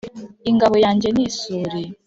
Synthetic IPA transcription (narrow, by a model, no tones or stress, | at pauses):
iŋɡaβo̞jaːɲɟe̞nisuɾi